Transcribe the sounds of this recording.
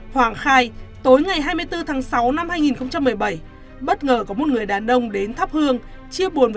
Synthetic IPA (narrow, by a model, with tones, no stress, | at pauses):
hwaː˧˩ŋxaː˧jt̪o˨˦jŋa˨˩jɦaː˧jmɨ˧jt̪ɨ˧t̪ʰaː˨˦ŋsa˨˦wna˧mhaː˧jŋi˨˩nxə˧wŋ͡mt͡ɕa˧mːɨ˨˩əjɓə˧˩j | ɓə˦˥t̚ŋəː˨˩kɔ˧˨˩mo˨˩t̚ŋɨ˨˩əjɗaː˨˩nʔə˧wŋ͡mɗe˨˦nt̪ʰə˦˥p̚hɨ˧əŋ | t͡ɕi˧əɓu˨˩ənv